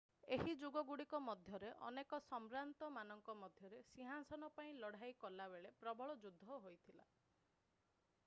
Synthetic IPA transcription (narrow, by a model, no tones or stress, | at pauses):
eɦid͡ʒuɡɔɡuɽikɔmɔd̪ʱjɔɾeʔɔ̰nekɔsɔmɾant̪ɔmanɔŋkɔmɔd̪ʱjɔɾesiɦasɔnɔpaĩlɔɽ̤ajkɔlabeɭepɾɔbɔɭɔd͡ʒud̪ʱːɔɦojt̪ʰila̰